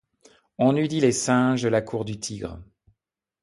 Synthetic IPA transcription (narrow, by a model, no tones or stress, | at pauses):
ɔ̃nyd̪ilesɛ̃ʒd̪əlakʰuʁd̪yt̪ʰiɡʁə̰